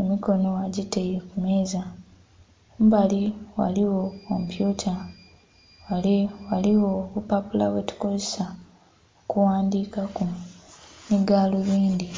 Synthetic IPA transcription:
emiko̞no̞waɟitejekume̞ːza | mbaliwa̰liwo̞ːmupjuca | walewaliwoβupapula̰wetu̥ko̞zesa | okuwaːndiːkaku | miɡaːluβiːnd̪i

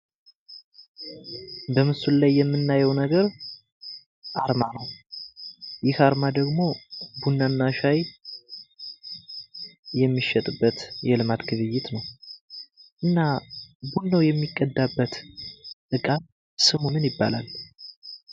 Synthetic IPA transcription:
bəmɨsullajːɛmːɨnːajɛwnəɡəɾ | ʔaɾmanəw | jɪhaɾmad̪əɡmo̞bunːanːaʃaj | jɛmːiʃːɛt̪ʼɨbːət̪jɛlɨmat̪ɡɨβɨjːɪt̪nəw | ʔɨnːabunːəwjɛmːikʼːəd̪abːət̪t̪ʼɨkʼam | sɨmunɨnjɪbːalal

